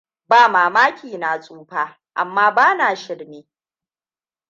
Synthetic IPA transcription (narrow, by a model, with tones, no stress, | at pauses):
baː˦˨maː˨maː˦kʲiː˨na˨sʼuː˦ɸaː˦ | ʔa̰˨mːaː˦baː˦naː˨ʃɪ˦ɽneː˦